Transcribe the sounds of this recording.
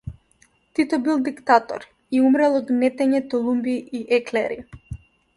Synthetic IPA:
t̪it̪ɔbilˠd̪ikt̪at̪ɔ̰ɾ | iumɾɛlˠɔd̪nɛt̪ɛɲɛt̪ɔlˠumbiːʔɛklɛɾḭ

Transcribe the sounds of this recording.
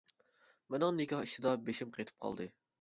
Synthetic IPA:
menɪŋnɪkʲɑhiʃɪd̪ɑbeʃimqʰejt̪ʰɪ̥p̚qʰɑ̰lˠd̪ɨ

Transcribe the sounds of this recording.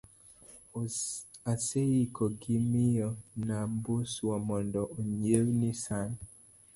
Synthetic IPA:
aseikɔɡimijɔnambuswɔmɔndɔʔoɲewnisan

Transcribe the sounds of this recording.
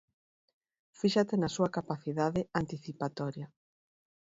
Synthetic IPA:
fiʃat̪ɪnasuɐkapaθiðaðɪant̪iθipat̪ɔɾja

